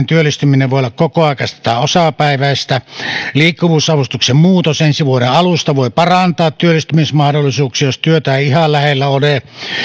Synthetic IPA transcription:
nt̪yølːˑist̪ymineʋʋoˑeolːɑkkokoɑˑekɑsi̥t̪æosɑpæˑiʋæˑest̪æliːkːuʋuːsɑʋust̪uksemmuːt̪osensiʋuoɾeʔɑlust̪ɑʋoˑipɑrɑnt̪ɑːt̪t̪yølːˑist̪ymismɑhdolːˑisuːksijost̪yøt̪æeihɑllæhelːæole

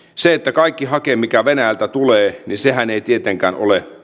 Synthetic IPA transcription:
seet̪ːækɑikːiɦɑkeːmikæʋenæjælt̪æt̪uleːninseɦæneit̪iet̪eŋkæːno̰le

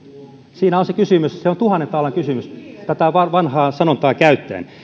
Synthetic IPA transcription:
siːnæonsekysymysseont̪uhɑnːent̪ɑːlːɑŋkysymyst̪æt̪æʋɑʋɑnhɑːsɑnont̪ɑːkæyt̪ːæ̰ːn

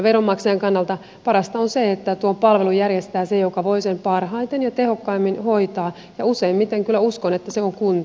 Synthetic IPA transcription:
ʋeromːɑkseɑŋkɑnːɑlt̪ɑ | pɑɾɑst̪ɑonseet̪ːæt̪uompɑlʋelujjærjest̪æːsejokɑʋoisempɑrhɑit̪enjɑt̪ehokːɑimːinhoit̪ɑː | jɑuseimmit̪eŋkylːˑæuskonet̪ːæseoŋkunt̪

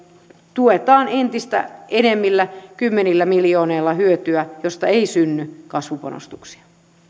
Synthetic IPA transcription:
t̪uet̪ɑːnent̪ist̪æ̰enemːilːækymːenilːæmiljoːneilːɑhyøt̪yæjost̪ɑeisynːykɑsʋupɑ̰no̰st̪uksi̥ɑ̥

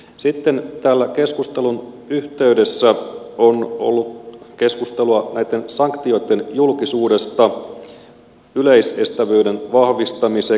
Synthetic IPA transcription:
sit̪ːe̞nt̪æːlːæke̞skust̪elun | yht̪e̞yde̞sːæo̞no̰lːut̪ke̞skust̪eluɑnæjt̪ːe̞nsɑŋkt̪io̞jt̪ːe̞njulkisuːde̞st̪ɑ | yleise̞st̪æʋøːde̞nʋɑhʋist̪ɑmise

